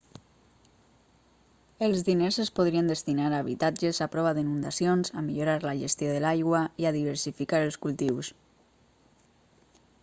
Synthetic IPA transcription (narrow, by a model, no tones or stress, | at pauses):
əlˠzðinezəspoðɾiənd̪əst̪inaɾaːβit̪ad͡ʒəzapɾɔβaðinund̪asionzamiʎuɾaɾlaʒest̪joðəlajɣwaiaðiβ̞əɾsifikaɾəlˠskulˠt̪iws